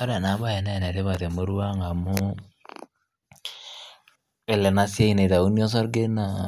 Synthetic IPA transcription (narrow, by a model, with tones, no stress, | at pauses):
ɔ˦ɾɛ˨na˨˦ba˦jɛ˨nɛ˦˨nɛ˨ɾe˦βa˨te˨mo˦ɾwa˦ŋa˨mʊ˦ | e˨lɛ˨na˦sja˦i˨ne˨ta˨u˦ni˦ɔ˦s̬ɔ˦ɾɡe˦na˨